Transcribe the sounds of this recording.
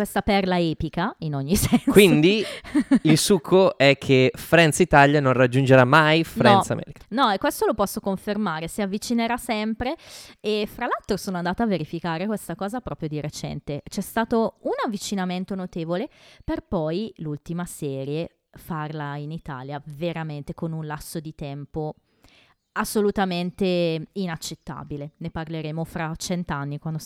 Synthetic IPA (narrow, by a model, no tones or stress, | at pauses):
west̪apɛrlaɛːpikainoɲːisɛnnkwind̪i | ilsukʰːoɛkʰːefɾɛnt̪sit̪aljanõnrad͡ʒːund͡ʒeɾamajfnɾɛnsa̰mʔɛ̰ːɾikanɔɛkːwest̪olopɔsːokoɱfermaːɾesiavːit͡ʃineɾasɛmpɾeefɾalalt̪ɾosoːnoand̪aːt̪aːvːeɾifikaːɾekwest̪akɔːzapɾɔpɾjod̪iɾet͡ʃɛ̰nt̪et͡ʃɛst̪aːt̪ounavːit͡ʃinament̪onot̪eːvoleperpɔjlult̪imasɛːɾje | farlainit̪a̰ːljaveɾament̪ekonunlasːod̪it̪ɛmpo | asːolut̪ament̪einat͡ʃːet̪ːa̰ːbileneparleɾeːmofɾat͡ʃɛnt̪oanːikwand̪o